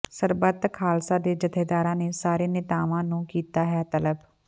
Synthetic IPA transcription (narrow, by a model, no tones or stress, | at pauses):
səɾbət̪kʰaːlsãːd̪eːd͡ʒəd̪ʰeːd̪aːɾãːneːsaːɾeːnɪt̪aːʋãːnũːkiːt̪aːɦɛt̪ələb